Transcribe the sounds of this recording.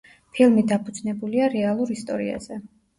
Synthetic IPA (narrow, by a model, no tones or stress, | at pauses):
pʰilˠmid̪apʰud̪znɛbuliaɾɛalˠuɾist̪ʼɔ̰ɾḭa̰z̥ɛ